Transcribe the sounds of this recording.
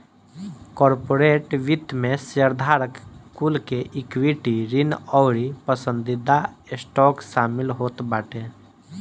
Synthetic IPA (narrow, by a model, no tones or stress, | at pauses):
kɔːɾpoːɾeːʈʋɪt̪mẽsəɾd̪ʱaːɾəkkulkeʔɪkwiʈiɾɪnɔːɾipəsə̃nd̪ɪd̪aɪsʈɔːkʃaːmɪlɦoːt̪baːʈeː